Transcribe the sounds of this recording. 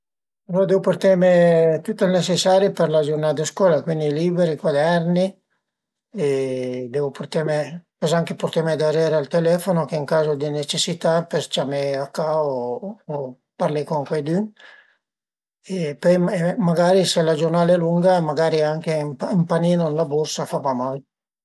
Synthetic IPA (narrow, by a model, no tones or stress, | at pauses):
aloɾd̪eːvoport̪emet̪ut̪ːelnet͡ʃesaːɾiperlad͡ʒornaːd̪askwɔːlakwind̪iliːbeɾikwad̪ɛrni | ed̪ɛːvoport̪emepɛsaŋkeport̪emed̪aɾɛːɾealt̪elɛfonokeiŋkaːzod̪inet͡ʃesːit̪apert͡ʃameakːao | parlekoŋkwejd̪yn | epɔjemaɡaːɾiselad͡ʒornaːlɛluŋɡamaɡaːɾiaŋkemimpaniːnonlaborsafavamal